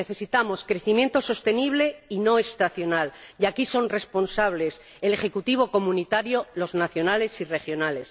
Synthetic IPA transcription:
neθe̞sit̪amo̞skɾe̞θimje̞nt̪o̞so̞st̪e̞niβ̞le̞ino̞est̪aθjo̞naljakiso̞nre̞spo̞nsaβ̞le̞s | ele̞χe̞kut̪iβ̞o̞ko̞mũnit̪aɾjolo̞znaθjo̞nale̞sire̞xjo̞nale̞s

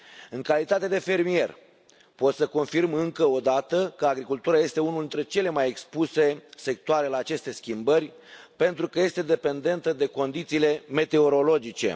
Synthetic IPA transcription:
ɨŋkalit̪at̪e̞d̪e̞fe̞rmije̞r | po̞t̪səko̞nfirmɨŋkəo̞d̪at̪əkəaɡɾikult̪uɾaje̞st̪e̞unuld̪int̪ɾe̞t͡ʃe̞le̞majekspuse̞se̞k̚t̪oaɾe̞laːt͡ʃe̞st̪e̞skʲimbərʲ | pe̞nt̪ɾukəje̞st̪e̞d̪e̞pe̞nd̪e̞nt̪əd̪e̞ko̞nd̪it̪siːle̞me̞t̪e̞o̞ɾo̞lo̞d͡ʒit͡ʃe̞̰

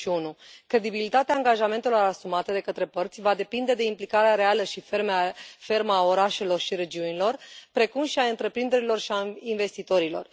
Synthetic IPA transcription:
iunukɾe̞d̪ibilit̪at̪eaːŋɡaʒame̞nt̪elo̞ɾasumat̪əd̪e̞kət̪ɾe̞pərt̪sʲvad̪e̞pind̪e̞d̪e̞implikaɾeaɾe̞aləʃifermfe̞rmao̞ɾaʃe̞lo̞rʃiɾe̞d͡ʒiunilo̞rpɾe̞kumʃiaɨnt̪ɾe̞pɾind̪e̞ɾilo̞rʃiainve̞st̪it̪o̞ɾilo̞̰r

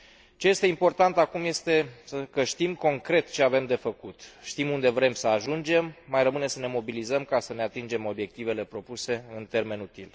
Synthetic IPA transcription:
t͡ʃe̞je̞st̪e̞impo̞rt̪ant̪akumje̞st̪e̞səkəʃt̪imko̞ŋkɾe̞t̪t͡ʃe̞ave̞md̪e̞fəkut̪ʃt̪imund̪e̞vɾe̞msəaʒund͡ʒe̞mːajrəmɨne̞səne̞mo̞bilizəmkasəne̞at̪ind͡ʒe̞mo̞bje̞k̚t̪ive̞le̞pɾo̞puse̞ɨnt̪e̞rme̞nut̪il

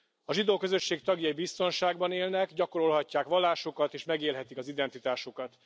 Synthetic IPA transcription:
ɒʒid̪oːkø̞zø̞ʃːeːkt̪ɒɡjɒjibist̪o̞nʃaːɡbɒneːlnɛkɟɒko̞ɾo̞lɦɒcːaːkʋɒlːaːʃo̞kɒt̪eːʃmɛɡeːlɦɛt̪ikɒzid̪ɛnt̪it̪aːʃokɒt̪

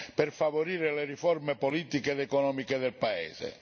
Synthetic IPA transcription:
perfavoɾiːɾeleriformepoliːt̪iked̪ɛkɔnɔːmiked̪elpaḛːzḛ

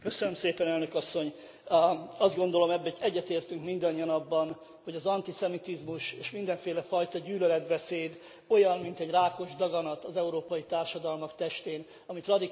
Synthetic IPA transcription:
køsønømseːpɛnɛlnø̞kɒsːo̞ɲ | ɒzd̪ɡo̞nd̪o̞lo̞mɛbːɛɛɟːɛt̪eːrt̪yŋkmind̪ɒɲːiɒnɒbːɒn | ho̞ɟɒzɒnt̪isɛmit̪izmuʃeːʃmind̪ɛɱfeːlɛfɒjt̪ɒɟyːlølɛd̪bɛseːd̪ | o̞jɒnmint̪ɛɟraːko̞ʒd̪ɒɡɒnɒt̪ɒzɛuɾoːpɒjit̪aːrʃɒd̪ɒlmɒkt̪ɛʃt̪eːn | ɒmit̪rɒd̪i

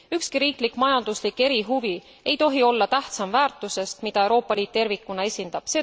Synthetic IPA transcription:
ykskiɾiːklikmɑjɑnd̪̥uslikːe̞ɾiɦuvi | e̞jt̪o̞ɦio̞lːɑt̪æht̪sɑmvæːrt̪ːˑuse̞st̪mid̪ɑe̞wɾo̞ːpːˑɑliːt̪̚t̪ːe̞rvikːˑunɑe̞sʲind̪̥ɑb̥seː

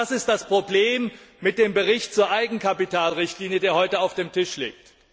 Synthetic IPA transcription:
asɪstd̥aspʁ̥obleːmːɪt̚d̥eːmbəʁɪçtt͡suːɐʔaɪɡŋ̩kʰapitʰaːlʁɪçtliːnjədeːɐhɔʏtəaʊfd̥eːmtʰɪʃlḛːk̚t

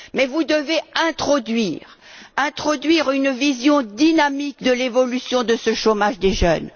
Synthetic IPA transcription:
mɛvud̪əveɛ̃t̪χɔd̪ɥiːʁ | ɛ̃t̪χɔd̪ɥiʁynvizjɔ̃d̪inamikd̪əlevɔlysjɔ̃d̪əsəʃomaʒd̪eʒœ̰n

